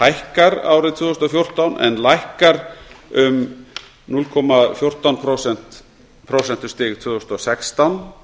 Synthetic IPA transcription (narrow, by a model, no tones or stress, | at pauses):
hajhkaɾa̰wɾɪt̪ʰviːðʏst̪ɔfjowr̥t̪awnʔɛ̰nlajhkaɾʏm | nulkʰɔmafjowr̥t̪awnpʰɾosɛn̥t̪ | pʰɾowsɛnt̪ʏ̥st̪ɪːɣt̪ʰviːðʏst̪ɔsɛkst̪awn